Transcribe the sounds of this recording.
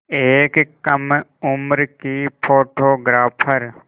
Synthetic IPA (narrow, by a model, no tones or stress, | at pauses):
eːkkəmʊmɾkipʰoːʈoːɡɾaːpʰəɾ